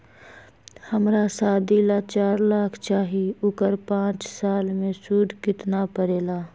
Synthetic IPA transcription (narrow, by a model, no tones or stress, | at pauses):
həmɾasaːd̪iːlat͡ʃaːɾlaːkʰt͡ʃaːɦiʊkəɾpãːt͡ʃsaːlmẽsuːd̪ʱkɪt̪napəɾeːlaː